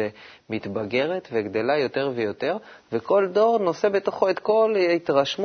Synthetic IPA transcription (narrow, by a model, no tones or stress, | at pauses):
e | mit̪baɡe̞ʁet̪veɡd̪e̞lajo̞te̞ʁvejo̞t̪e̞ʁveko̞ld̪o̞ʁno̞se̞bet̪o̞χoet̪ko̞lit̪ʁaʃm